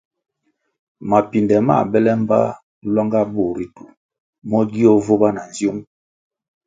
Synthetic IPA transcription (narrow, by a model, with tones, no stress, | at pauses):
ma˨pi˨ndɛ˨ma̰˦˨bɛ˦lɛ˦m˦ba̰˦ | lɔ˦ŋɡa˦bo˦˨ɾi˦tu˨ | mɔ˦ɡi˦ɔ˦vo˦ba˦na˨n̩zjo˦m